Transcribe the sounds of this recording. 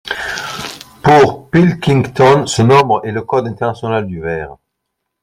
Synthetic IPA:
puʁpilkʲĩŋt̪ɔnsənɔ̃bʁɛləkɔd̪ɛ̃t̪ɛʁnasjɔnald̪yvɛːʁ

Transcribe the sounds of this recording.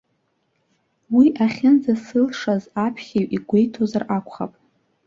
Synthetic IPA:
wiʔaχʲɪnd͡zasɨlʂazapʰχʲiɥʔiɡʷe̞jtʰozarʔakʷʰʼχa̰pʼ

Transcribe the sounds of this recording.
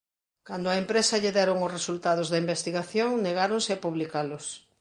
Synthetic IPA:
kand̪oʊɐempɾesɐʎeðɛɾoŋʊsresult̪aðʊzðɐimbest̪iɣaθjoŋneɣ̞aɾoŋsɪapuβlikalʊs

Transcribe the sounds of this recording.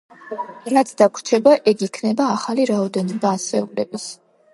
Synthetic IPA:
ɾat̪sʰd̪akʰɾt͡ʃʰɛbaʔɛɡikʰnɛbaːχaliɾaɔd̪ɛnɔbasɛukʼlɛbis

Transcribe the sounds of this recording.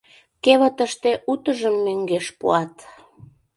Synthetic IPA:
keβət̪əʃt̪eʔut̪əʒəmːøŋɡeʃpṵɑt̪

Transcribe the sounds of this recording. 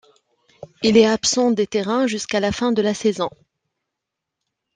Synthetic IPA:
ilɛapsɑ̃d̪et̪eʁɛ̃ʒyskalafɛ̃d̪əlasɛzɔ̃

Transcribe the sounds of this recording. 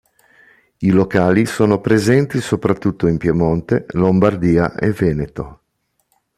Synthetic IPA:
ilokaːlisoːnopɾezɛnt̪isopɾat̪ːut̪ːoimpjemont̪elombard̪iːa̰ʔevɛːnet̪o

